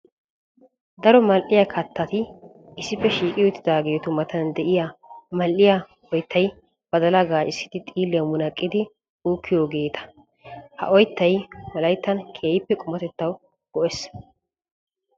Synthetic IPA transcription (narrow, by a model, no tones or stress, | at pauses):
d̪ɐɾɔmɐlʔɪjɐkʰɐt̪ʰːɐt̪ɪ | ɪsɪfːɛʃiːkʼɪjʊt̪ːɪd̪aːɡe̞ːt̪ʊmɐt̪ɐnd̪ɛʔɪjamɐlʔɪja | ɔjt̪ʰːɐj | b̥ɐd̪ɐlɐɡaːt͡ʃɪsːɪ̥d̪ɪt̪ʼiːlːjɐmʊnɐkʼːɪd̪ɪ | uːkʰːɪjoɡe̞ːt̪ʰɐ̥ | hɐ̰ʔɔjt̪ːɐjwɔlɐjt̪ːɐnkʰeːjɪpːɛkʼʊmɐt̪ɛt̪ːɐw | ɡ̥ɔʔɛs